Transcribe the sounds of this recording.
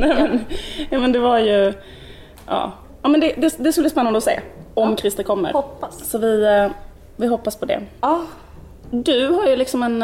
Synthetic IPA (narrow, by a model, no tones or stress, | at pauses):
nɛːmɛnjɑːmɛnd̪ɛvaɾjɵ | ʔɑ̰ː | ɑːmɛnd̪ɛd̪ɛd̪ɛskɵlb̪ispɛnːand̪ɔsḛːɔmkʰɾɪst̪əkʰɔmːə̰ɾsɔvɪ | vɪɦɔpːaspʰɔd̪ɛ̰ | d̪ɵɦaɾjɵlɪksɔmɛn